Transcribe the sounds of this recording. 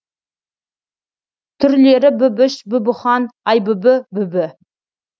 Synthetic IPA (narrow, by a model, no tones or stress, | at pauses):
t̪ʰʏɾle̞ɾɪbʏbɪʃbʏbɪχɑnɑjbʏbɪbʏbɪ